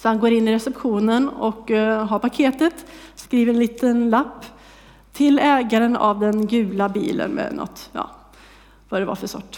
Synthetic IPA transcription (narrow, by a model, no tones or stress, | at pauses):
sɔhanɡoːɾɪnːɪɾɛsɛpɧuːnənɔkɦaɾpʰakʰeːt̪ət̪skɾiːvəɾɛnliːt̪ənlapː | t̪ʰːɪlɛːɡaɾəna̰vd̪ɛnɡʉ̟ːlabḭːlə̰nmɛ̰nɔ̰t̪ːjɑ̰ː | vad̪ɛva̰ɾfəsɔ̰ʈː